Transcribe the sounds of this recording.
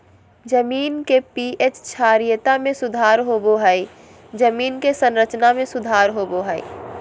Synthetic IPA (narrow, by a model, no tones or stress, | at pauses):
d͡ʒəmiːnkepiʔet͡ʃt͡ʃʰaːɾijət̪amẽsʊd̪ʱaːɾɦoboɦɛi | d͡ʒəmiːnkesə̃nɾət͡ʃnamẽsʊd̪ʱaːɾɦoːboɦɛḭ